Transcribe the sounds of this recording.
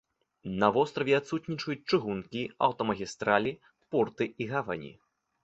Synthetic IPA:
nɐvɔst̪ɾɐvʲɛat̪sut̪nʲit͡ʂɐjut͡sʲt͡ʂɨɣunkʲia̰wt̪ɔmɐɣʲist̪ɾalʲi | pɔrt̪ɨiɣava̰nʲḭ

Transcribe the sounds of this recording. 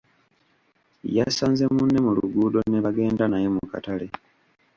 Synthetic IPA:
jasaːnze̞munːemulṵɡuːdo̞neβaɡe̞ːndanajemuka̰tale̞

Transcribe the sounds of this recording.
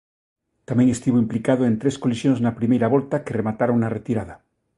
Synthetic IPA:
t̪amjeŋest̪iβoimplikað̞oe̞nt̪ɾe̞sko̞lisjonznapɾimejɾaβ̞o̞lt̪akeremat̪aɾaunaret̪iɾaða

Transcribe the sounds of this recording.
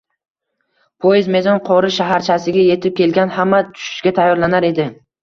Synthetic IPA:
pʰojɪzme̞zɒnqʰɒɾɪʃaɦaɾt͡ʃʰasɪɡʲaje̞t̪ʰɪp̚kʲe̞lɡʲanhamːat̪ʰʊ̥ʃɪ̥ʃɡʲat̪ʰajːɒɾlanaɾe̞d̪ɪ

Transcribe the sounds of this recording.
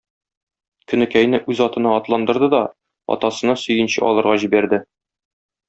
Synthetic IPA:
kɵ̆nɘ̆kæjnɘʔʉzɒt̪ɤ̆nɑɒt̪lˠɑnd̪ɤ̆ɾd̪ɤd̪ɒ | ɒ̰t̪ɑsɤ̆nɑsɵ̆jɘ̆nɕɘ̰ʔɒ̰lˠɤ̆ɾʁɑʑibæɾd̪ɘ

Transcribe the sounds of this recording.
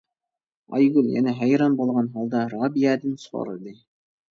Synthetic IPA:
ɑ̰jɡʉlʲjæ̰næɦæjɾɑnbolˠʁɑnɦɑlˠd̪ɑɾɑbijæd̪ɘnsχo̰ɾɤ̰d̪ij

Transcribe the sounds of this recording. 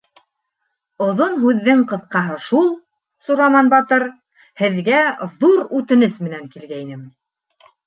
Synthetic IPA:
ŏðonɦʉðːɘɴqɤ̆θqɑɦɤʃulˠ | suɾɑmɑnbɑt̪ɤɾ | hɘ̆ðɡæðuɾʉt̪ɘ̆nɘsmɘ̆næŋkilɡæjnɘm

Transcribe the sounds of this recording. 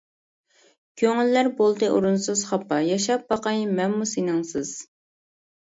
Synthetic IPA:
kʲʰøŋylːæɾbolˠd̪ɨʔoɾunsɨz̥χɑpːɑjɑʃɑp̚bɑqɑjmɛmmːusinɨŋsɨz̥

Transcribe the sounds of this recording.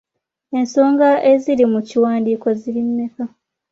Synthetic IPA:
e̞nso̞ːŋɡaʔe̞zilimuciwaːndiːko̞ziɾimːeka

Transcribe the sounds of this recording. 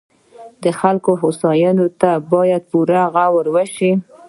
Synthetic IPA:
d̪əxalkoɦosɑjɑnot̪abɑjad̪̚puɾaɣawəɾwəʃi

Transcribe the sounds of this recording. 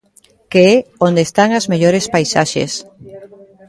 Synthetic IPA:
keɛond̪est̪aŋazmeʎoɾespajsaʃḛs

